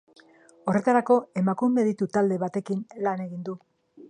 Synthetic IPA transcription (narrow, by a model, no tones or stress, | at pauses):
o̞re̞t̪aɾako̞e̞makume̞ðit̪ut̪ald̪e̞βat̪e̞kinlane̞ɣind̪u